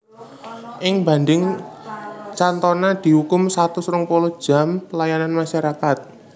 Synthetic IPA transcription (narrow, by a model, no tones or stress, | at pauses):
ʔɪŋba̤nd̪ɪŋ | t͡ʃant̪ɔnad̪̥i̤hukʊmsat̪usɾʊŋpolɔ̥ʒ̥a̤mpəlajananmaʃaɾakat̪̚